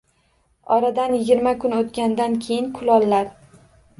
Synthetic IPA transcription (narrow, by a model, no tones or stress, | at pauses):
ɒɾad̪anjɪɡʲɪɾmakʰʊnot̪kʲand̪ankʲʰe̞jɪnkʰʊlɒlːaɾ